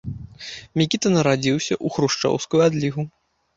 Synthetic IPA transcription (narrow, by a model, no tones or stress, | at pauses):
mʲikʲit̪ɐnɐɾad͡zʲiwsʲɐʔuxɾuʂt͡ʂɔ̰wskujuad̪lʲiɣu